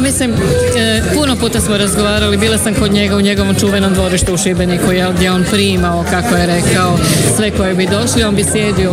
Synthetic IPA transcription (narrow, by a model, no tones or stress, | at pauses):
mislim | puno̞puːt̪asmo̞ɾazɡo̞ʋaːɾalibiːlˠasamko̞d̪ɲe̞ɡauɲe̞ɡo̞ʋo̞mt͡ʃuːʋe̞no̞md̪ʋoɾiʃt̪uːʃibe̞nikujelɡd̪ʲjeo̞npɾiːmaokako̞je̞ɾe̞kao̞sʋe̞ko̞jebid̪o̞ʃlio̞nbisje̞ːd̪io